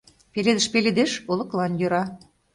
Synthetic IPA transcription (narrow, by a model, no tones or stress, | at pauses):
peled̪əʃpeled̪eʃolɤ̆klɑnjøɾɑ